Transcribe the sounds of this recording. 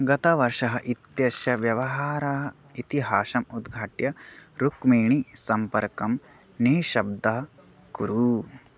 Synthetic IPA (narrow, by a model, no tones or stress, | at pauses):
ɡɐt̪ɐʋɐɾʂɐɦɐʔit̪jɐsjɐʋjɐʋɐɦaːɾaɦɐ | it̪iɦaːʃɐmud̪ɡʱaːʈjɐɾukmeːɳisɐmpɐɾkɐm | neːʃɐb̚d̪ɐ | kuɾu